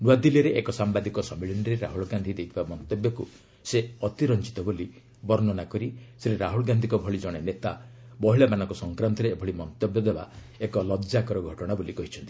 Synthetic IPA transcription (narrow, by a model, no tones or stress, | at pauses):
nuad̪iliɾeʔekɔsambad̪ikɔsɔmiɭinɾeɾa̰ɦuɭɔɡand̪ʱid̪ejt̪ʰibamɔnt̪ɔbjɔku | seɔt̪iɾɔnt͡ʃi̥t̪ɔboli | bɔɾnɔnakɔɾiseɾeɾaɦuɭɔɡand̪ʱikɔbʱɔɭid͡ʒɔɽ̃enet̪a | bɔɦiɭamanɔŋkɔsɔŋkɾant̪ɔɾeːbʱɔɭimɔnt̪ɔbjɔd̪eba̰ | ekɔlɔd͡ʒakɔɾɔɡʱɔʈɔɽ̃abolikɔɦit͡ʃʰɔnt̪i̥